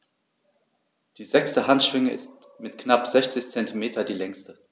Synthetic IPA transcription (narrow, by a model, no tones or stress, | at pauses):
d̥iːzɛkstəhantʃv̥ɪŋəʔɪ̰st | mɪtknapz̥ɛçt͡sɪçt͡sɛntimeːtʰɐdiːlɛŋstə